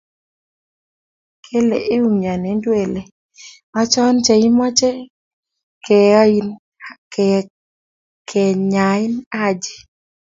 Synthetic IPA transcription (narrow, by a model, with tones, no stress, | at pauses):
kʰe˦lḛ˨ʔe˦u˦mɲa˨ne˨˦ndwe˨le˨ | ma˦t͡ʃɔ˦nt͡ʃe˨i˦mɔ˦t͡ʃɛ˦ | kɛ˨˦i˦n | kʰɛ˨ɲa˨ɪ˦na˦d͡ʒe̥˨